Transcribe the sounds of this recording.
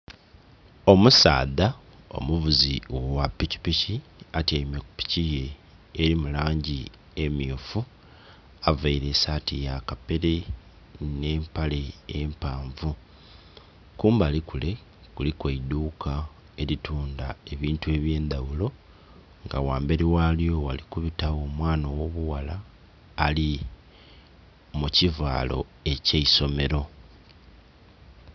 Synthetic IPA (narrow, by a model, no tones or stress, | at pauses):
o̞musa̰ːða | o̞̰muvuziwwapːici̥piciatemeku̥pi̥cije̞ː | ɾimulaːɲɟi | emiufu | avaiɾe̞saːtijakape̞ɾe̞ | ne̞ːmpale̞ːmpaːɱvu | kuːmbalikule̞ | kulikweid̪uːkʰa | e̞lituːnda̰e̞βiːntue̞ːβje̞ːnd̪awulo̞ | ŋɡawaːmbe̞ɾiwaljo̞walikuβitawo̞ːmwaːnowo̞βuwalaː | li | muciva̰ːlo̞̰e̞ceiso̞me̞ɾo̞